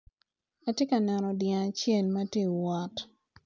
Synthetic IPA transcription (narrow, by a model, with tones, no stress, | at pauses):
a˦tje˦ka˨nɛ˨nɔ˨djɛ̃˨a˨t͡ʃjɛ˦˨lma˦tje˦wɔ˨t